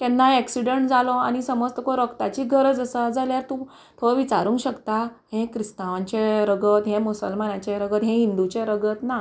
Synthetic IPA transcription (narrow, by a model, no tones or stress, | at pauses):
k̪ɛ̃nːaɛksiɖeɳʈd͡zalɔa̰ñisəməd͡zt̪okɔɾəkt̪at͡ɕiːɡʱəɾəd͡zəsad͡zaljaɾt̪ũ | t̪ʰoʋit͡ɕaɾũːŋkɕəkt̪aɦẽkɾist̪aʋãɲt͡ɕeɾəɡət̪ɦɛ̃musə̰lmanãt͡ɕeɾəɡət̪ɦɛ̃ɦind̪ut͡ɕeɾəɡət̪na